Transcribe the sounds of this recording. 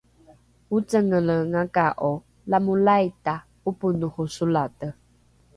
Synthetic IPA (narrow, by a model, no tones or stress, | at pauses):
ut͡səŋələŋakaʔɔ | lamulajta | upunuhusulatə